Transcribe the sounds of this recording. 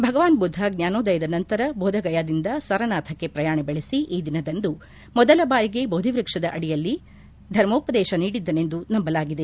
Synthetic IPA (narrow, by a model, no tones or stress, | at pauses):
bʱɐɡɐʋaːnbud̪ʱːɐɡnjaːnoːd̪ɐjɐd̪ɐnɐnt̪ɐɾɐboːd̪ʱɐɡɐjaːd̪ind̪ɐsɐɾɐnaːt̪ʰɐkːepɾɐjaːɳebeɭesiʔiːd̪inɐd̪ɐnd̪u | mɔd̪ɐlɐbaːɾiɡe̞boːd̪ʱiʋɾikʂɐd̪ɐʔɐɽijɐlːi | d̪ʱɐɾmoːpɐd̪ɛːʃɐniːɽid̪ːɐne̞nd̪unɐmbɐlaːɡid̪e